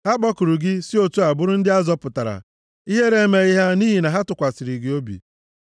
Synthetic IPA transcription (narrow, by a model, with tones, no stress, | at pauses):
ha˦ɡ͡bɔ˦kʊ˨ɾu˨ɡɪ˦si˦o˦tu˦a˨bʊ˦ɾʊ˦n̩˦dɪ˦a˦zɔ˦pʊ˨ta˨ɾa̰˨ | i˦ɦe˦ɾe˦me˨i˦ɦa˦ni˦ɦi˨na˨ɦa˦tʊ˨kʷa˨sɪ˨ɾi˨ɡi˨o˦bḭ˨